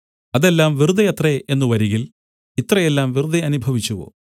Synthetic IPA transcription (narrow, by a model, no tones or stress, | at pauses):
ɐðe̞lːaːmʋirud̪ɐjɐt̪reʔe̞nːuʋɐɾiɣil | it̪rɐjelːaːmʋirud̪ɐɐnubʱɐʋit͡ɕːuɣo̰ː